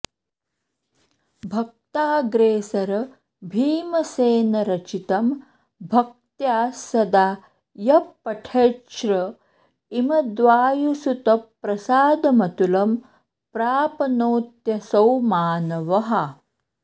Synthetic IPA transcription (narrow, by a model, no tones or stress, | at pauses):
bʱɐk̚t̪aːɡɾeːsɐɾɐ | bʱiːmɐseːnɐɾɐt͡ʃit̪ɐm | bʱɐk̚t̪jaːsɐd̪aː | jɐpːɐʈʰeːʃɾɐ | imɐd̪ʋaːjusut̪ɐpːɾɐsaːd̪ɐmɐt̪ulɐm | pɾaːpɐnoːt̪jɐsɐwmaːnɐʋɐɦɐ